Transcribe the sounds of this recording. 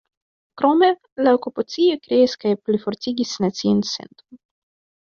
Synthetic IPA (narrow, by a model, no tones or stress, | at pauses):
kɾome | laokupat͡siokɾeiskajplifoɾtiɡʲisnat͡siunsḛnt̪on